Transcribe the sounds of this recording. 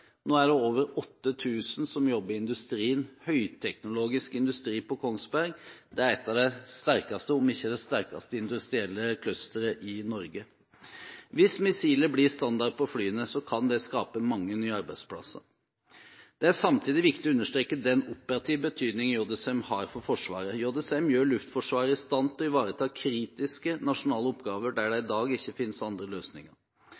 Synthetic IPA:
noːæɖɛoːʋəɾɔt̪ːət̪ʰʉːsənsɔmjɔbːəɾɪɪnd̪ʉst̪ɾiːənhœʏt̪ʰɛknʊloːɡɪskɪnd̪ʉst̪ɾiːpɔkʰɔŋsbæɾɡd̪ɛæɾɛt̪ːɑʋd̪ɛst̪æɾkɑst̪əɔmɪçːəd̪ɛst̪æɾkɑ̰st̪əɪnd̪ʉst̪ɾɪɛlːəkʰlœst̪əɾəʔɪnɔɾɡə | ʋɪsmɪsiːləblɪɾst̪ɑnd̪ɑɾd̪̚pʰɔflyːənəsɔkʰɑnd̪ɛskɑːpəmɑŋːənyːɑɾbæɪd̪spʰlɑ̰sːə̰ | d̪̥ɛæʂɑmt̪ʰiːd̪ɪʋɪkt̪ɪɔʉnːəʂt̪ɾeːkəd̪ɛnɔpəɾɑt̪ʰiːʋbət̪ʰyːd̪nɪŋəjɔːd̪ɛsɛmhɑːɾfɔɾfɔʂʋɑ̰ːɾəjoːd̪ɛsɛmjøːɭʉft̪fɔʂʋɑːɾəɪst̪ɑnt̪ɔɪʋɑːɾət̪ʰɑːkʰɾiːt̪ɪskənɑʂʊnɑːləɔpɡɑːʋəɖæɖɛɪd̪ɑːɡɪçːəfɪnsɑnd̪ɾəløːsnɪ̰ŋə̰ɾ

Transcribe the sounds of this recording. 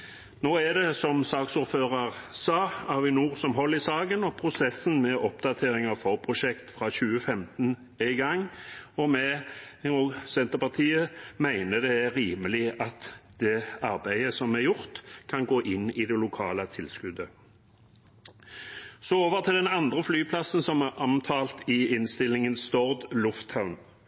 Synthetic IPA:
noːæd̪ɛsɔmsɑːksuːɾføːʁɑʁsɑːæʁʋɪnuːʁsɔmɦɔlːɪsɑːɡənɔpʰʁʊsɛsənmɛʔɔpd̪ɑt̪ʰeːʁɪŋɑfɔʁpʰʁʊʃɛkt̪fʁɑːɕʉːəfɛmt̪n̩ | ɛɪɡɑŋɔmɛ | uɡsɛnt̪əʁpɑʁt̪ʰiːəmæɪnəd̪ɛæɾiːməlɪʔɑt̪d̪̥ɛːɑʁbæɪəsɔmæʁjʊʁt̪kʰɑnɡoːʔɪnːɪd̪ɛlʊkʰɑːlət̪ʰɪlskʉd̪ə | sɔoːʋəʁt̪ʰɪld̪ɛnɑnd̪ʁəflyːpʰlɑsn̩sɔmʔɑmt̪ʰɑːlt̪ɪɪnst̪ɪlːɪŋənst̪ɔʁd̪lʊft̪ʰaʊn

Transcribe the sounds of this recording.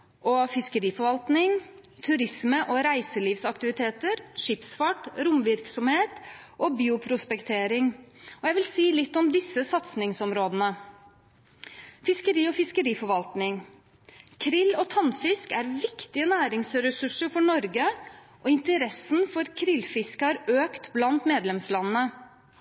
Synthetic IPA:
ʔɔfɪskəɾiːfɔɾʋɑlt̪nɪŋ | t̪ʰʉɾɪsməʔɔɾæɪsəliːʋsɑkt̪ɪʋɪt̪ʰeːt̪əɾʂɪːpsfɑʈɾʊmʋɪɾksɔmheːt̪ | ʔɔbiːʊpʰɾʊspɛkt̪ʰeːɾɪŋɔjæɪʋɪlsiːlɪt̪ːɔmd̪ɪsːəsɑt̪snɪŋsɔmɾoːd̪ənə | fɪskəɾiːɔfɪskəɾiːfɔɾʋɑlt̪nɪŋ | kʰɾɪlːɔt̪ʰɑnfɪskæɾʋɪkt̪ɪənæːɾɪŋsɾɛsʉʂəɾfɔɳɔɾɡə | ʔɔɪnt̪əɾɛsːənfɔɾkʰɾɪlːfɪskəhɑɾøːkt̪blɑnt̪meːd̪lɛmslɑnənə

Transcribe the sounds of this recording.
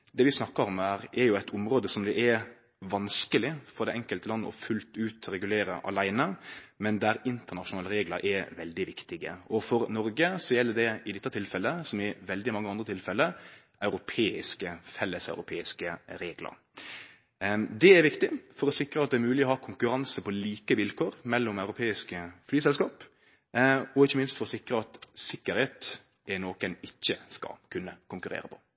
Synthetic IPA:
d̪ɛːʋɪsnɑkːəɾɔmæːɾɛɾjʊæɪt̪ʰʊmɾoːd̪əsɔmd̪ɛʔɛɾ | ʋɑnskəlɪfɔɾd̪ɛʔɛŋkəlt̪əlɑnːə̰ɔ̰fʉlt̪ʉːt̪ɾɛɡʉleːɾə̰ʔɑ̰læɪnəmɛnd̪æɾɪnt̪əʁnɑʂʊnɑːləɾeːɡləɾʔɛʋɛld̪ɪʋɪkt̪ɪɡə̰ɔfɔɾnɔɾɡəsɔjɛlːəd̪ɛɪd̪ɪt̪ːət̪ʰɪlfɛlːəsɔmɪʋɛld̪ɪmɑŋːəɑnd̪ɾət̪ɪlfɛlːə | ʔɑʉɾʊpʰeːɪ̰skəfɛlːəsɑ̰ʉɾʊpʰeːɪskəɾeːɡlə̰ɾ | d̪ɛæɾʋɪkt̪ɪfɔɾɔsɪkɾəɑt̪̚d̪ɛːɾmʉːlɪɔhɑːkʰʊŋkʉɾɑnsəpɔliːkəʋɪlkʰoːɾmɛlːɔmɑʉɾʊpʰeːɪskəflyːsɛlskɑːp | ɔɪçːəmɪnst̪fɔɾɔsɪkɾəɑt̪sɪkːəɾheːt̪ | ʔɛnoːkənɪçːəskɑ̰kʰʉnːəkʊŋkʉɾḛːɾəpʰɔ̥

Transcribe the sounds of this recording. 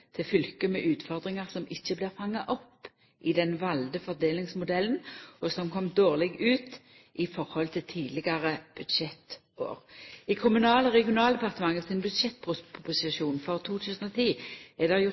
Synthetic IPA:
t̪ʰɪlfʏlkəmɛʔʉːt̪fɔʁd̪ʁɪŋɑʁsɔmɪçːəblɪːʁfɑŋːɑʔɔpː | ʔɪd̪ɛnʋɑld̪əfɔʁd̪eːlɪŋsmʊd̪ɛlːənɔsɔmkʰɔmd̪oːʁlɛɡʉːt̪ | ʔɪfɔʁhɔlt̪ʰɪlt̪ʰiːlɪɡɑʁəb̥ʉd̪ʃɛt̪ | o̰ːʁɪkʰʊmʉnɑːləʁɛɡɪʊnɑːld̪ɛpɑʁt̪əmɑŋːəsɪnbʉd̪ʂɛt̪ːpʰʊpʊpʊsɪʃuːnfɔʁt̪ʰuːt̪ʰʉːsnɔt̪ʰiːɛd̪ɛʁjʊ

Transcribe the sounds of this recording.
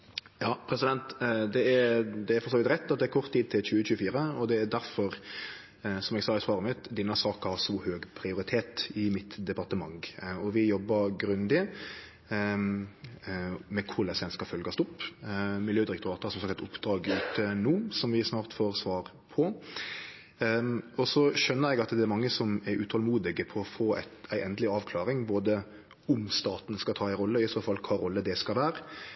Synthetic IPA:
jɑːpʰɾɛsɪd̪ɛnt̪d̪ɛæɾd̪ɛæɾfɔɾsoːʋɪt̪ɾɛt̪ːɑt̪̚d̪ɛæɾkʰɔʁt̪ʰːiːd̪̚t̪ʰɪlçʉːəçʉːəfiːɾəɔd̪ɛæɾd̪æɾfɔɾ | sɔmɛɡsɑːɪsʋɑːɾəmɪt̪d̪ɛnːəsɑːkɑhɑsɔhøːɡpʰɾɪʊɾɪt̪ʰeːt̪ɪmɪt̪d̪ɛpɑɾt̪əmɑŋɔʋɪjɔbːəɾɡɾʉnd̪ɪ | mɛkʰʊɾlɛsʋɛnskɑfœlɡɑst̪ɔpmɪljøːd̪ɪɾɛk̚t̪ʊɾɑːt̪əɛɾsɔmsɑk̚t̪æt̪ʊpːd̪ɾɑːɡʉːt̪ʰənuːsɔmʋɪsnɑːʁt̪foːʁsʋɑːʁ | pʰɔ | ɔsɔʃœnːəɾɛɡɑt̪d̪ɛæɾmɑŋːəsɔmɛɾʉːt̪ʰɔlmuːd̪ɪɡəpʰɔɔfoːæ̰ɪt̪æɪʔɛnd̪əlɪɑːʋkʰlɑːɾɪŋboːd̪ə | ʊmst̪ɑːt̪n̩skɑt̪ʰɑːæɪɾʁɔlːəɪsoːfɑlkʰɑːɾɔlːəd̪ɛskɑlʋæːɾə

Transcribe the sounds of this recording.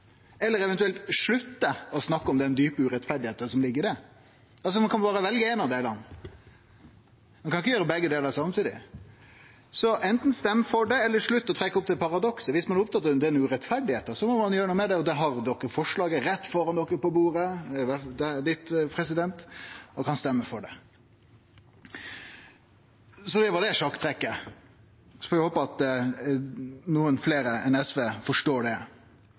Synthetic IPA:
ɛlːəɾɛʋɛnt̪ʉɛlt̪ʂɭʉt̪ːəɔsnɑkːəɔmd̪ɛnd̪yːpəʉɾɛt̪fæɖɪheːt̪ənsɔmlɪɡːəɖɛ | ɑls̬ɔmɑnkʰɑnbɑːɾəʋɛlɡəɛnɑʋd̪æɪlɑ̰nː | mɑnkʰɑnɪç̬ːəjøːɾəbɛɡːəd̪eːləɾɑsɑmt̪ʰiːd̪ɪ̰ | sɔʔɛnt̪n̩st̪ɛmːfɔɖɛɛlːəʂɭʉt̪ːɔt̪ʰɾɛkːəʊp̚t̪ɪlpʰɑɾɑd̪ɔksəʋɪsmɑnʊpt̪ʰɑt̪ːəd̪ɛnʉːɾɛt̪fæɖɪheːt̪ːəsɔmɔmɑnjøːɾnuːəmɛd̪ɛɔd̪ɛɦɑɾd̪ɔkːəfɔʂɭɑːɡəɾɛt̪ːfɔɾɑnd̪ɔkːəpɔbuːɾəʋæd̪ɛd̪ɪt̪pʰɾɛsɪd̪ɛnt̪ɔkɑnst̪ɛmːəfɔɖɛ | sɔd̪ɛʋɑɖ̪ɛʂɑkt̪ʰɾɛkːə | fɔɾæɪhoːpəɑt̪ | nuːənfleːɾəɛnɛsʋeːfɔʂʈoːɖɛ

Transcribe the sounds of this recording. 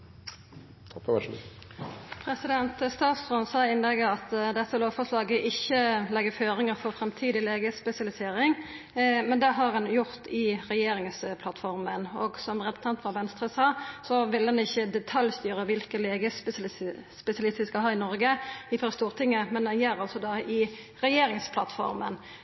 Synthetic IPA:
pʰɾɛsɪd̪ɛnt̪st̪ɑːt̪sʁɔnsɑːɪnlɛɡəɾɑt̪d̪ɛt̪ːəloːʋfɔʁʂlɑːɡəʔɪçːəlɛɡəføːɾɪŋəɾfɔʁfɾɛmt̪ʰiːd̪ɪleːɡəspɛsɪɑlɪseːɾɪŋ | mɛnd̪ɛɦɑʁɑnjʊʁt̪ɪɾɛjeːɾɪŋspʰlɑt̪fɔɾmənɔɡsɔmʁɛs̩ʰɑnt̪ʋɑɾʋɛnst̪ɾəsɑːsɔʋɪld̪ɛnɪçːəd̪ɛt̪ʰɑljst̪yːɾəʋɪlkəleːɡəspspɛsɪɑlɪst̪ʋɪskɑɦɑːɾɪnɔɾɡəɪfɔɾst̪uːʁt̪ʰɪŋːəmɛnd̪ɛnjɛɾɑlsɔd̪ɑɪ | ʁɛjeːɾɪŋspʰlɑ̰t̪fɔ̰ɾmən

